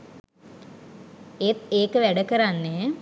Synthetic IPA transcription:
et̪eːkəʋæɖəkəɾanːe

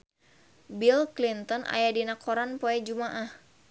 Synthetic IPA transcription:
bilklint̪ɔna̰jadinakʰɔɾanpɔɛd͡ʒumaʔah

